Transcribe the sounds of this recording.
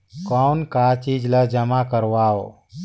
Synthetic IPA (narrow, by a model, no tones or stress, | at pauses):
kɔːnkaːt͡ʃiːd͡ʒləd͡ʒəmakəɾʋaːoː